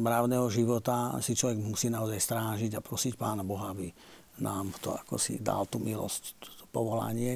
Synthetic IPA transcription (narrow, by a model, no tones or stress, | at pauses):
mɾaʊnɛːɦɔʒiʋɔt̪asit͡ʃlɔʋɛɡmusiːnaɔzajst̪ɾaːʒiɟapɾɔsicpaːnabɔɦaabi | nʔaːmt̪ɔ̰akɔ̰sḭd̪a̰lt̪umilɔ̰scɔpɔʋɔla̰ɲɪɛ